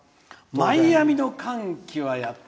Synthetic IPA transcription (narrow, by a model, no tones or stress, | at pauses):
maijamʲino̞kʰãŋkʲiβajat̪ː